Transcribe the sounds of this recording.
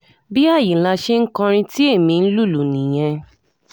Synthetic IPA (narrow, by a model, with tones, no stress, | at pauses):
bi˦a˦˨ji˨la˧ʃe˦ŋ̩˦kɔ̃˧ɾ̃ĩ˧ti˦e˦˨mĩ˧n̩˦lu˦˨lu˨nĩ˨j̃ɛ̃˧